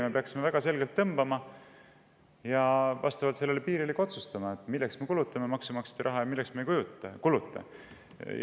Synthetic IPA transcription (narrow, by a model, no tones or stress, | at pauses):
me̞peɑksime̞væɡ̥ɑse̞lɡ̥elt̪ːɤmb̥ɑmɑ | jɑvɑ̰st̪ɑvɑlt̪se̞lːe̞lːepiːɾilikːo̞t̪sust̪ɑmɑet̪ˑmilːeksme̞kulut̪ːˑɑme̞mɑksumɑkse̥t̪ɑɾɑɦɑjɑmilːeksmejkujut̪ˑːɑkulut̪ˑːɑ̰